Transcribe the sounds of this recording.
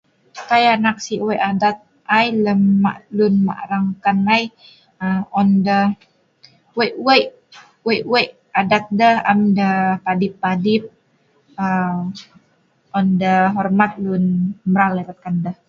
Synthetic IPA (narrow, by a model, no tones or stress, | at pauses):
k̪ajanak̚siʔweʔadat̪̚ | ajləmːa̰ʔlunma̰ʔɾaŋkanaj | əɔndə | weʔwəj | wejʔwəj | adat̪̚dəhamdəpadipːadip̚ | ə | ɔndəɦɔrmat̪̚lunmɾalɛɾat̪̚kandəh